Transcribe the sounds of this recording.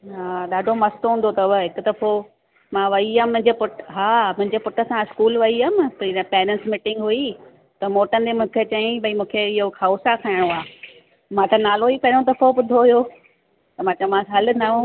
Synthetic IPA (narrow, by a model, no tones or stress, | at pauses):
ɦaːɗaːɖʱomɐst̪oɦũn̆d̪ot̪ɐʊʋɦɪkʊd̪ɐfo | mãʋɐiamʊ̃ɦɪ̃ɲd͡ʑepʊʈɦaːmʊ̃ɦɪ̃ɲd͡ʑeːpʊʈəsãɪskuːlʋɐiɐmɪt̪ɐpɛːɾə̃nsmɪʈɪ̃ŋɡɦui | t̪ɐmoːʈənd̪emũːkʰet͡ɕɐĩbʱɐimũːkʰeɪɦoxʰauːsakʰaːɪɽ̃oaː | mãt̪ʰɐnaːloipɐɦɪɾ̃õt̪ɐfobʊd̪ʱoɦʊjo | t̪ɐmãːt͡ɕɐmãɐlɪ̆nɐũ